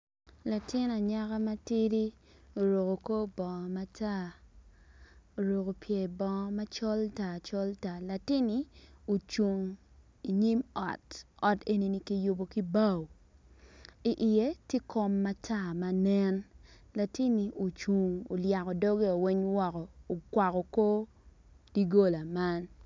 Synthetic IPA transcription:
la˨tɪ˦na˨ɲa˦ka˦ma˦ti˦ɾi˦ | o˨ɾo˨ko˨ko˦bɔ˨ma˦tʰa˦˨ | o˨ɾo˨ko˨pje˨bɔ̃˨˦ma˦t͡ʃɔ˦lta˨t͡ʃɔ˦lta˨la˨tɪ˦ni˦o˨t͡ʃu˨ŋ | i˨ɲi˦mɔ̰˨tɔ˨te˦ni˦ni˦ki˦jʊ˦bo˨ki˦ba˦w | i˨ʔɪ˨e˦tje˦kʰɔ˦mːa˦tʰa˦˨ma˨nɛ˦n | la˨tɪ˦ni˨ʔo˨t͡ʃu˨ŋo˨lja˨kɔ˨dɔ˦ɡe˦o˨wi˦ɲwɔ˦kɔː˨kwa˨kɔ˨ko˦ | d̥i˦ɡo˦la˨ma˦n

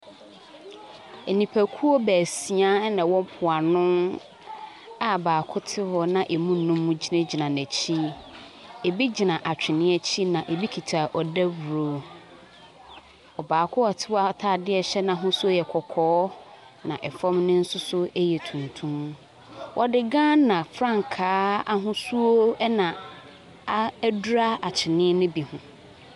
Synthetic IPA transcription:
e˨nĩ˨pʰæ˨kʰu˦o˦bæː˨si˨a˦nã˨wɔ̃˦m̩˦pʰʊ˨a˨nʊ̃˦ | a˨baː˨kʰʊ˦tʰɪ˦hɔ˨nã˨ʔe˨mũ˦nː˦ũ˦mːũ˦d͡ʑi˦nẽ˦d͡ʑi˨nã˨næ̃˨t͡ɕʰi˦ | e˨bi˦d͡ʑi˨nã˨ʔa˨t͡ɕᶣɪ˨nɪ̃˦ɛ˦t͡ɕʰi˦nã˨ʔe˨bi˦kʰi˨tʰa˨ʔɔ˨dæ˦wu˨ɾo˨ | ɔ˨baː˨kʰʊ˦ɔ˨tʰɪ˦wa˦˨tʰaː˦˨dɪ˦ɛ˨ɕɛ˦nã˨ɦʊ̃˦sʊ˦o˦jɛ˨kʰɔ˨kʰɔː˨˦ | nã̰˨ʔɛ˨fɔ̃˦mnɪ̃˦n̩˦sʊ˦sʊ˦e˦jɛ˨tʰũ˨ntʰũ˦m | wʔɔ˦dɪ˨ɡã˦nã˨fɾã˦˨ŋ˨kʰaː˨˦a˦ɦʊ̃˦su˦o˦ɛ˦nã˨ | a˦du˦ɾa˦a˨t͡ɕʰɪ˨nɪ̃˦nʊ̃˦bi˨hʊ̃˨

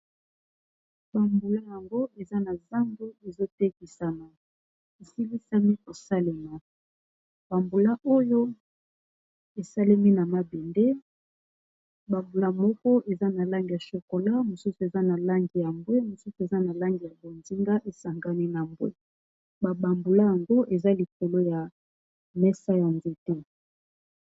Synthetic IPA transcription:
ba˨mbu˨la˦ja˨ŋɡo˦ʔe˨za˦na˨za˦mɡu˦e˨zo˦te˦ki˨sa˨na˨ | e˨si˦li˦sa˦mi˦ko˨sa˦le˨ma˨ | b̥a˨mbu˨la˦ʔo˦jo˦ | e˨sa˦le˦mi˦na˨ma˦be˨nde˦ | ba˨mbu˨la˦mɔ˦kɔ˦ʔe˨za˦na˨la˦ŋɡi˨ja˨ʃo˨ko˨la˦mo˨su˦su˨e˨za˦na˨la˦ŋɡi˨ja˨mbwe˦mo˨su˦su˨e˨za˦na˨la˦ŋɡi˨ja˨bo˨nzi˦ŋɡa˦ʔe˨sa˨ŋɡa˦ni˦na˨mbwḛ˦ | ba˨ba˨mbu˨la˦ja˨ŋɡo˦ʔe˨za˦li˨ko˨lo˦ja˨ | mɛ˦sa˦ja˨nze˦tɛ˦

